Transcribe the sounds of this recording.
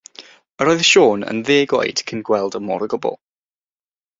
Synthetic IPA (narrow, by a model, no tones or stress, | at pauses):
əɾɔːjðʃoːnə̰nðeːɡwɔ̰jd̥kʰənɡwɛlˠdəmɔ̰ɾəɡʊbɔ̰lˠ